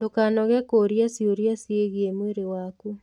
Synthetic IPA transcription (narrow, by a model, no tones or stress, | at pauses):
dokanɔɣɛkoɾjasjoɾjasjeɣjemweɾewaku